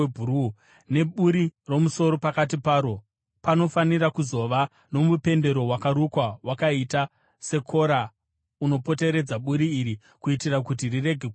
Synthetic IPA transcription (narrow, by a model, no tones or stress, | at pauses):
bʱuɾu | ne̞ɓuɾiro̞muso̞ɾo̞pakat̬ipaːɾo̞ | pano̞faniɾakuzo̞ʋa | no̞mupe̞nde̞ɾo̞wakaɾukwawakaita | se̞kʰo̞ɾa | uno̞po̞te̞ɾe̞d͡zaɓuɾiːɾi | kuitirakutirire̞ɡʱek